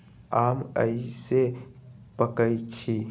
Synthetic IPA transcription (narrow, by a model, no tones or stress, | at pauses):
aːmə̰ise | pəkəit͡ʃʰi